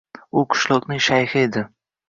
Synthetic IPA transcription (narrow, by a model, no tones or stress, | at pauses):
ʊqʰʊ̥ʃlˠɒqnɪŋʃajhɪed̪ɪ